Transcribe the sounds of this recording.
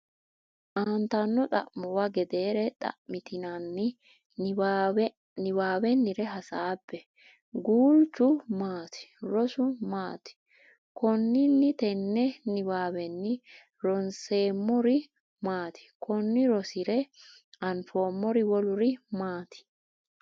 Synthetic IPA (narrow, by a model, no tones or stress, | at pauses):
ʔaːnt̪ɐnːɔt̪ʼɐ̰ʔmɔwɐɡɛd̪e̞ːɾɛt̪ʼɐ̰ʔmɪt̪ɪnɐnːɪ | nɪwaːwɛnːɪɾɛɦɐsaːbːɛ | ɡuːlt͡ʃːʊmaːt̪ɪ̥ɾɔsʊmaːt̪ɪ̥ | kɔnːɪnːɪt̪ɛnːɛnɪwaːwɛnːɪ | ɾɔnse̞ːmːɔɾɪ | maːt̪ɪ̥kʰɔnːɪɾɔsɪɾɛ | ɐnfo̞ːmːɔɾɪwɔlʊɾɪmaːt̪ɪ̥